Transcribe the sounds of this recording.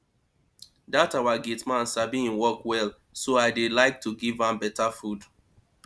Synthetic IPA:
datawaɡitmãnsabiĩnwɔkwɛl | soaɪdelaɪk̚tʰuɡivãmbɛtafud

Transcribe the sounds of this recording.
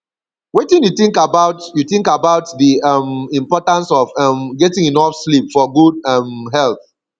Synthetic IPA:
wetĩnjuθĩŋkabaʊtjuθĩŋkabaʊtðiamĩmpɔtãnsɔvamɡɛtĩŋĩnɔfslipfɔɡud̚ɛmɦɛlθ

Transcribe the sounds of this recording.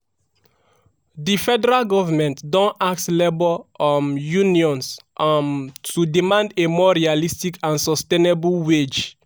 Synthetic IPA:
difɛdɛɹalɡɔvamɛ̃ntdɔ̃nak̚tlebɔɔmjũniɔ̃nsʔamtudimãndemɔɹialistikʰãnsɔstenebulwed͡ʒ

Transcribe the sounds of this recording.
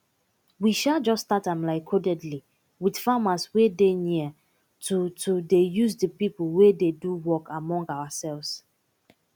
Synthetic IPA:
wiʃald͡ʒɔsːtatãmlaɪkʰodɛdli | wid̥famaswedeniə | tʰutʰudejuzdəpiplwededuwɔkʰamɔ̃ŋɡawasɛlvs

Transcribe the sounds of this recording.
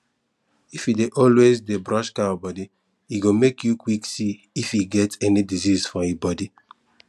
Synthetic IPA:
ifideʔɔlwezdebɹɔ̃ʃkaɔbɔdi | iɡomekjukwiksi | ifiɡɛtɛnidizizfɔibɔdi

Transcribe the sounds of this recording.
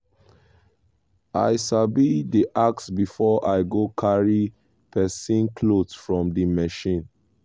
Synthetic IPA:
a̰ɪsabidiʔak̚sbifɔʔaɪɡokʰaɹi | pʰɛsĩnkʰlodfɹɔ̃mdimɛʃĩn

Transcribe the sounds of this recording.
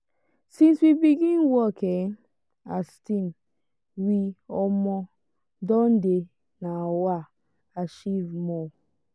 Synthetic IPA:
sĩnswibiɡĩnwɔke | astĩm | wiɔmɔ | dɔ̃nde | nawa | aʃivmɔ

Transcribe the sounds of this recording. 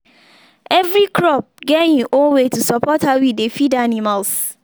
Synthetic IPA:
ɛvɾikʰɹɔp̚ɡeĩʔowetusɔpɔtawidefidanimals

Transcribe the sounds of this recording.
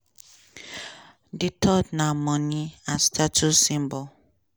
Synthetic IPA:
ditʰɔdnãmɔ̃nĩãstʰatusĩmbɔ

